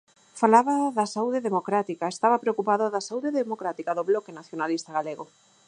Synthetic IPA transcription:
falaβaðɐsauðeðemokɾat̪ikaest̪aβɐpɾeokupaðoðasauðeðemokɾat̪ikaðoβlɔkenaθjonalist̪aɣaleɣo

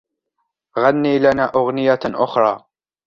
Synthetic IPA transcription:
ɣanːiːlanaːʔʊɣnɪjaʔʊxɾˤɑː

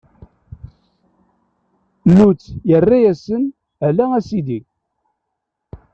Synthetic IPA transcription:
lut͡sːjərːæjæsən | ælææsid̪i

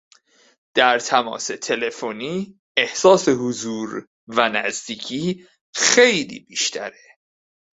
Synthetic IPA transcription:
d̪̥æɾt̪ʰæmɒ̰ːse̞t̪ʰe̞le̞foniː | ehsɒːse̞hozuːɾ | vænæzd̪iːcʰiː | xe̞jlḭːbiːʃt̪ʰæ̰ɾe

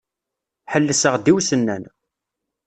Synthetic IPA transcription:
ħəlːəsəʁd̪iwsənːæn

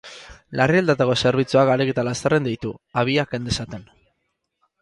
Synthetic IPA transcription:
lariald̪at̪ako̞se̞ɾβ̞it͡suakaɾeket̪alast̪erend̪ijt̪uaβ̞iakend̪esat̪e̞n

